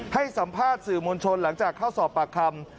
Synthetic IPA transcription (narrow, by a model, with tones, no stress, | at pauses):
ha˥˩jsa˩˦mpʰaː˥˩t̪̚sɯː˨˩mo˧nt͡ɕʰo˧nla˩˦ŋt͡ɕaː˨˩kʰːa˥˩wsɔː˨˩pːa˨˩kʰa˧m